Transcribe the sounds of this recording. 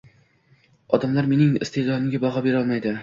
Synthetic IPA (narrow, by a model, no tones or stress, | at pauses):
ɒd̪amlaɾme̞nɪŋɪ̰st̪ʰezɒnɪmɡʲabɒʁɒbe̞ɾɒlˠmajd̪ɪ